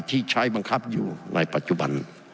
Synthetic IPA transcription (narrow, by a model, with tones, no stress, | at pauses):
t̪ʰiː˧˩t͡ɕʰa˧˥˩jba˧ŋkʰa˦˥p̚juː˨˩na̰ː˧˩jpa˨˩t̪̚t͡ɕu˧ba̰˧n